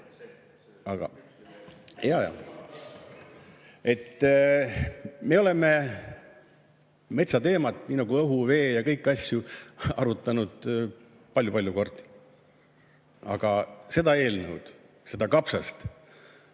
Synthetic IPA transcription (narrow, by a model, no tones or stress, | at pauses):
ɑɡ̥ɑ̰ | jɑjɑ̰ | e̞t̪ː | me̞o̞le̞me̞ | me̞t̪sɑt̪e̞ːmɑt̪ːˑniːnɑɡ̥uɤɦuve̞ːjɑkɤjkːˑɑsʲjuɑɾut̪ːˑɑnud̪̥ | pɑlʲjupɑlʲjuko̞rd̪̥ | ɑ̰ɡ̥ɑse̞d̪̥ɑe̞ːlnəwd̪̥ | se̞d̪ɑkɑpsɑst̪